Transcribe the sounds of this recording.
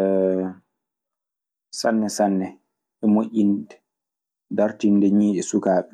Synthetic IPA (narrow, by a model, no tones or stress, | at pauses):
sanːɛsanːɛ | ɛmoʔʲindɛ | daɾtindɛɲiːʔɛsukaːɓɛ